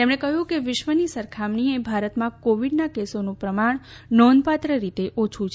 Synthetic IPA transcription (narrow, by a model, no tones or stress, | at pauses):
t̪emɽ̃ẽkəɦjũkeʋɪʃʋənisəɾkʰamɳiebʱaɾət̪mãkoʋiɖnakesonũpɾəmaɳ | nɔnpat̪ɾəɾit̪eʔot͡ʃʰut͡ʃʰ